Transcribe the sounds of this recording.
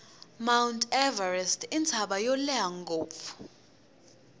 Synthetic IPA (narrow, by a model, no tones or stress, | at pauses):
mawntʰʼɛvarɛstʰint͡sʰaɓajɔlɛaŋɡoːp̪fu̥